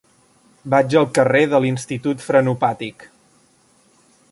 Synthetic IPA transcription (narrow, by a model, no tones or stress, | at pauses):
bad͡ʒəlˠkəreðəlinst̪it̪ut̪fɾənupat̪ik